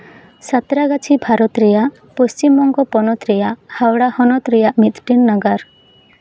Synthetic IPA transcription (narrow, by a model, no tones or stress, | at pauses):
sat̪ɾaɡat͡ʃʰibʱaɾɔt̪ɾɛjaʔ | post͡ʃimɔŋɡɔpɔnɔt̪ɾɛjaʔhawɽahɔnɔt̪ɾɛjaʔmit̪ʈinːaɡaɾ